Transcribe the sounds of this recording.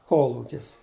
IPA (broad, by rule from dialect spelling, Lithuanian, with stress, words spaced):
ˈkoːlˠuːkʲɪs